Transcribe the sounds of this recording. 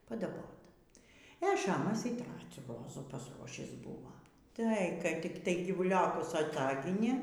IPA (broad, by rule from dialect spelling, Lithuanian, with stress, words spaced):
pɐdɐˈboːt ɛ ˈʃɑːmɐs iː ˈtrɑːt͡sʲuː ˈroːzuː pɐsˈruɔʃʲiːs ˈbʊʋoː ˈtɐɪ kɐɪ tʲɪk ˈtɐɪ ɡʲiːʋʊˈlʲoːkʊs ɐˈtɑːɡʲɪnʲeː